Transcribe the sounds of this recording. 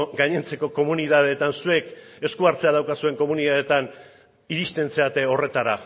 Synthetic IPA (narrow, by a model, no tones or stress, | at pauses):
ɡajɲe̞nt͡se̞ko̞ko̞muniðaðe̞t̪ansue̞ke̞skuaɾt͡se̞að̞awkasue̞ŋko̞muniðaðet̪an | iɾist̪e̞nt͡se̞at̪e̞ore̞t̪aɾa